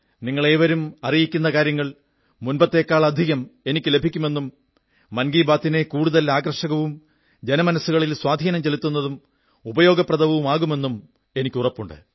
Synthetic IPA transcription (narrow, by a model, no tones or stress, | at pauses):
niŋːɐɭe̞ːʋɐɾumɐrijikʲːunːɐkaːɾjɐŋːɐɭ | munbɐt̪ːe̞ːkːaːɭɐd̪ʱiɣɐme̞nikʲːɨlebʱikʲːume̞nːumː | ɐnɡiːbaːt̪ːine̞kuːɽuðɐlaːɡɐrʂɐɣɐʋum | d͡ʑe̞nɐmɐnɐsːuɣɐɭilswaːd̪ʱiːnɐmt͡ɕe̞lut̪ːunːɐðum | ubɐjo̞ːɡɐprɐd̪ɐʋɐʋumaːɣume̞nːum | e̞nikʲːurɐpːuɳɖɨ̰